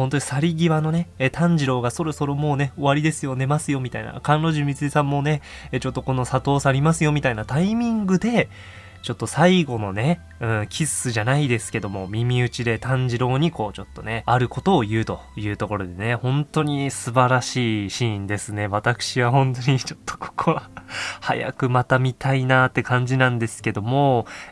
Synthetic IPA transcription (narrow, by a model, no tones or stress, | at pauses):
ho̞nt̪oɲisaɾʲiɡʲiβano̞ne̞t̪ʰãɲ̟d͡ʑiɾo̞ːɡaso̞ɾo̞so̞ɾo̞mo̞ːne̞o̞βaɾʲid̪e̞sɨjo̞ne̞masɨjo̞mʲit̪aina̰kãnɾo̞ʑɨmʲit͡sɨisãmːo̞ːne̞ | t͡ɕo̞t̪ːoko̞no̞sat̪o̞ːsaɾʲimasɨjo̞mʲit̪ainat̪aimʲĩŋɡɯ̟d̪e̞ | t͡ɕo̞t̪ːo̞saiɡo̞no̞ne̞ | ɯ̟̃kʲʰisɨʑanaid̪e̞sɨ̥ke̞d̪o̞mo̞mʲimʲiɯ̟t͡ɕid̪e̞t̪ãɲ̟d͡ʑiɾo̞ːɲ̟iko̞ːt͡ɕo̞t̪ːo̞ne̞aɾɯ̟ko̞t̪o̞ːjɯ̟ːt̪o̞jɯ̟ːt̪o̞ko̞ɾo̞d̪e̞ne̞hõ̞nt̪o̞ɲ̟isɨbaɾaɕiːɕĩnd̪e̞sɨne̞β̞at̪akɯ̟̥ɕiβaɦõ̞nt̪o̞ɲ̟it͡ɕo̞t̪ʰːo̥kʰo̥kʰoβaha̰ja̰kɯ̟mat̪amʲit̪ʰainat̪ːe̞kãɲ̟d͡ʑinãnd̪e̞sɨ̥ke̞d̪o̞mo̞